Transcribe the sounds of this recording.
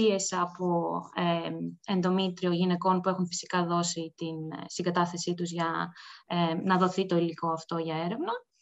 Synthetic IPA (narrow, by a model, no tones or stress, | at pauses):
ie̞sɐpoeend̪o̞mit̪ɾio̞ʝine̞ko̞npuexunfi̥si̥kɐðo̞sit̪instiŋɡɐt̪ɐθe̞sit̪uzʝɐenɐðo̞θit̪o̞iliko̞ɐft̪o̞ʝɐe̞ɾe̞vnɐ